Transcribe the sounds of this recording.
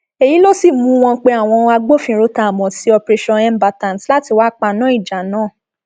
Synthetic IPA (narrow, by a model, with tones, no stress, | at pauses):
e˨ji˨˦lo˦si˦˨mũ˨˦w̃ɔ̃˧˦k͡pe˧a˦˨w̃ɔ̃˧a˧ɡ͡bo˦fĩ˧ɾo˧ta˧˨mɔ̃˨si˨˦ɔ˧pɾe˧ʃɔ̃˧ɛ˦m˦ba˧ta˨nsla˦ti˧˨wa˦k͡pa˧nãː˦i˦˨d͡ʒa˨nãː˦˨